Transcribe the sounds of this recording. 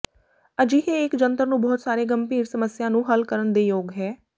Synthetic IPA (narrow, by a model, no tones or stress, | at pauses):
əd͡ʒiːɦeːɪkd͡ʒənt̪əɾnũːbɔːt̪saːɾeːɡəmpiːɾsəməsjãːnũːɦəlkəɾənd̪eːjoːɡɦɛː